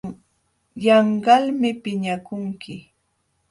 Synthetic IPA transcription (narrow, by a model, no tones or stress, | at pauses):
jɑɴɢɑlmɪpɪɲakʊŋkɪ